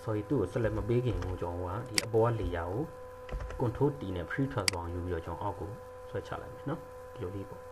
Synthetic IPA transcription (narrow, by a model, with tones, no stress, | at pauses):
sɔ˨i˦˨t̪ṵ˦˨o˨sɛ˦lɛ˦˨ʔməpe˦ɡɪ̃˨mõ˨t͡ɕã˨õ˨a̰˦˨di˨ʔəpɔ˦wa˦le˨ja˨ɡo˨ | kʊ̃˨ntʰo˦tḭ˨nɛ̰̃˦˨pʰəɹi˦tʰwɛ˦˨zwã˨ju˨i˦˨ɔ˨t͡ɕã˨ʊ̃ʔa˦ʊkːo˨ | swɛ˦t͡ɕʰa̰˦˨lã̰˦˨ʔmi˨nɔ˦ | də˨jo˨ʔlḭ˦˨pɔ̰˦˨